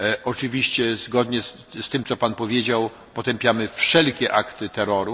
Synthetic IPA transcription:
ʔɔt͡ʂɘvʲiɕt͡ɕɛzɡɔd̪ɲɛ | st̪ɘmt̪sɔpanpɔvʲjed͡ʑaw | pɔt̪ɛmpʲjamɘfʂɛlkʲɛʔakt̪ɘt̪ɛɾɔɾu

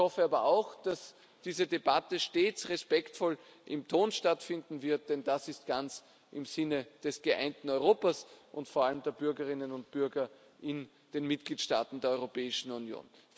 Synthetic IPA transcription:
hɔfəaːbɐʔaʊxd̥as | d̥iːzədebatəʃteːt͡sʁɛspɛktfɔl | ʔɪmtʰoːnʃtatfɪndn̩vɪɐt̚d̥ɛnd̥asɪst̚ɡ̥ant͡s | ʔɪmz̥ɪnəd̥ɛsɡ̥əʔa̰ɪntn̩ɔʏʁoːpɐsʔʊ̰ntfoɐaləmd̥eːɐbʏɐɡəʁɪnənʊnt̚b̥ʏɐɡɐ | ʔɪn | d̥eːnmɪt̚ɡ̥liːtʃta̰ːtn̩deːɐɔʏʁopɛːɪʃn̩unjo̰ːn

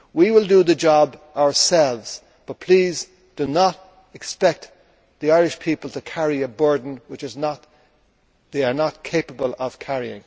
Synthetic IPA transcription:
wiwɪlˠdəðəd͡ʒɑbʔaʊə˞sɛlˠvz̥ | b̥ʌt̚pʰl̥iːz | d̥ənəɾ | ɨkspɛk̚t̪ | ðiaɪɹɪʃpʰipəlˠtʰəkʰæɹiəbɜ˞dⁿn̩wɨt͡ʃɪznət | ðeɪə˞nət̚kʰeɪpəbəlˠəv̥kʰæɹiɪ̰̃ŋ

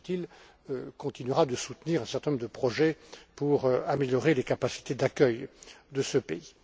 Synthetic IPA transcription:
t̪il | kɔ̃t̪inɥʁad̪əsut̪niʁɛ̃sɛʁt̪ɛ̃nɔ̃mʁd̪əpχɔʒɛpuʁameljɔʁelekapasi̥t̪ed̪akʲœjd̪əsəpei

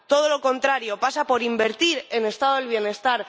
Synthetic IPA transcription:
t̪o̞ð̞o̞lo̞ko̞nt̪ɾaɾjo̞pasapo̞ɾimbe̞ɾt̪iɾe̞ne̞st̪aðoelβ̞je̞ne̞st̪aɾ

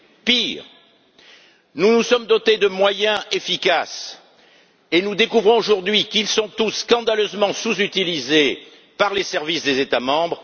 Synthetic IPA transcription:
piːʁ | nunusɔmd̪ɔt̪ed̪əmwajɛ̃efikas | enud̪ekuvʁɔ̃oʒuʁd̪ɥikilsɔ̃t̪usːkɑ̃d̪aløzmɑ̃suzyt̪ilize | paʁlesɛʁvisd̪ezet̪amɑ̃bʁ

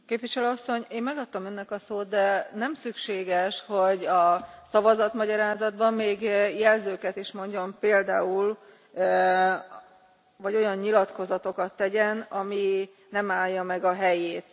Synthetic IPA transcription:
keːpʋiʃɛløɒsːo̞ɲeːmmɛɡɒt̪ːɒmønːɛkɒsoːd̪̚d̪ɛnɛmsykʃeːɡɛʃho̞ɟɒsɒvɒzɒt̪mɒɟɒɾaːzɒd̪bɒmːeːɡjɛlzøːkɛt̪iʃmo̞ɲɟompeːld̪a̰ːul | vɒɟo̞jɒɲːilɒt̪ko̞zɒt̪o̞kɒt̪ːɛɟɛnɒmi | nɛmaːljɒmɛɡɒɦɛjeːt̪

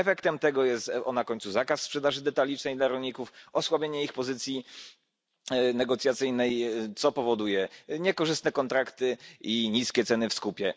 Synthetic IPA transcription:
ɛfɛkt̪ɛmt̪ɛɡɔjɛst̪ɔnakɔɲt̪suzakassːpʂɛd̪aʐɘd̪ɛt̪alʲit͡ʂnɛjd̪laɾɔɲikufɔswabʲjeɲɛixpɔzɘt̪sʲji | nɛɡɔt̪sʲjat̪sɘjnɛjt̪sɔpɔvɔd̪ujɛɲɛkɔʐɘst̪nɛkɔnt̪ɾakt̪ɘiɲiskʲɛt̪sɛnɘfskupʲjɛ

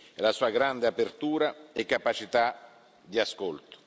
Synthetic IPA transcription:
ɛlasuːaɡɾand̪eapert̪uːɾaekːapat͡ʃit̪a | d̪iaskolt̪ʊ̥

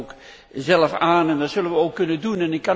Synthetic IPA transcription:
k | zɛləfaːnɛndɔtsɵlənʋəowkːɵnəndunɛnɪkːɑ

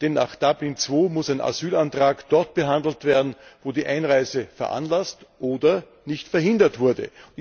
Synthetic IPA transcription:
d̥ɛnːa̰ːχd̥ablɪnt͡sv̥oːmʊsæɪnʔa̰z̥yːlantʁ̥aːkd̥ɔɐt̚b̥əɦãndl̩tv̥eːɐdn̩voːdiːʔaɪnʁaɪzəfɛɐʔa̰nlastʔoːdɐ | nɪçtfɛɐhɪndɐtv̥ʊɐdə̰

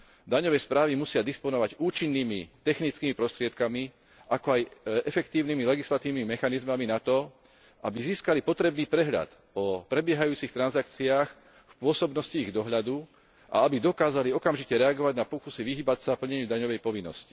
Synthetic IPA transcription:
d̪aɲɔʋɛːspɾaːʋimusɪad̪ispɔnɔʋaɟuːt͡ʃinːiːmit̪ɛxnit͡skimipɾɔst̪ɾɪɛt̪kami | ʔakɔajɛfɛkt̪iːʊnimilɛɡislat̪iːʊnimimɛxanizmaminat̪ɔ | ʔabiziːskalipɔt̪ɾɛbniːpɾɛɦʎa̰t̪ | ɔpɾɛbɪɛɦajuːt͡sixt̪ɾanzakt͡siaːx | fpʊɔsɔbnɔsciːɣd̪ɔɦʎad̪u | ʔa̰abid̪ɔkaːzaliɔkamʒicɛɾɛaɡɔʋaɟnapɔkusiʋiɦiːbatsapl̩ɲɛɲɪuːd̪aɲɔʋɛjpɔʋinːɔ̰sci̥

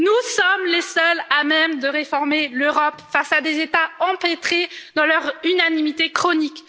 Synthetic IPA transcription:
nusɔmlesœlamɛmd̪əʁefɔʁmeløʁɔpfasad̪ezet̪aɑ̃pet̪χed̪ɑ̃lœʁynanimit̪ekχɔnik

